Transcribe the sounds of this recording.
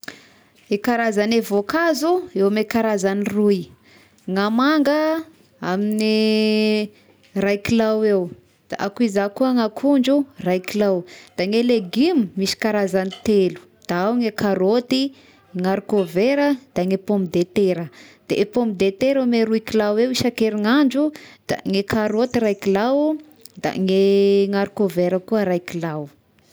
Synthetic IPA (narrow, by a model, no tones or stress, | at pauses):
ekaɾazanevokazuewamekaɾazaniruj | ŋamaŋɡə | amini | rajkilawew | d̪̥a̰ʔakuizakuəŋakʰuɳd͡ʒurajkilawd̪̥aŋeleɡimimisi̥kaɾazanit̪elu̥d̪̥aawŋekaɾot̪i | ŋaɾukoveɾəd̪̥aŋepomid̪et̪eɾəd̪̥eʔepombid̪et̪eɾemeɾuikilawewiʃakeɾiŋaɳd͡ʒud̪̥a̰ŋekʰaɾot̪iɾajkilaw | d̪a̰ŋeŋaɾikoveɾəkuəɾajkilaw